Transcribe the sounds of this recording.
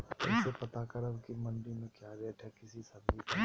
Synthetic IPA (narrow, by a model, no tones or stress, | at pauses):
ʊ̰sepɐt̪akɐɾɐbkimɐɳɖimẽkjaɾeʈʰɛkɪsisɐbipɐ